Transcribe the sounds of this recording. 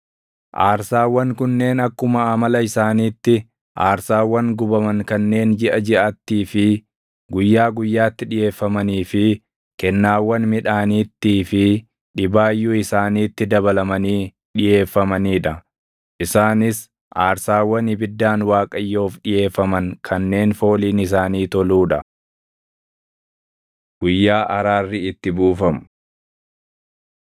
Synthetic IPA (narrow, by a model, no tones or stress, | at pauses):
ʔaːɾsaːwːɐŋkʊnːe̞ːnɐkːʊmɐːmɐlɐɪsaːniːt̪ːɪ | ʔaːɾsaːwːɐŋɡʊbɐmɐŋkɐnːe̞ːnd͡ʒɪʔɐd͡ʒɪʔaːt̪ːiːfɪ | ɡʊjːaːɡʊjːaːt̪ːɪᶑɪje̞ːfːɐmɐniːfɪ | kɛnːaːwːɐnmɪᶑaːniːt̪ːiːfɪ | ᶑɪbaːjːuːɪsaːniːt̪ːɪd̪ɐβɐlɐmɐniː | ᶑɪje̞ːfːɐmɐniːᶑɐ | ʔɪsaːnɪs | ʔaːɾsaːwːɐnɪbɪd̪ːaːnwaːkʼɐjːo̞ːfᶑɪje̞ːfːɐmɐŋkʰɐnːe̞ːnfo̞ːliːnɪs̬aːniːt̪ɔluːᶑɐ | ɡ̥ʊjːaːʔɐɾaːrːɪɪt̪ːɪbuːfɐmʊ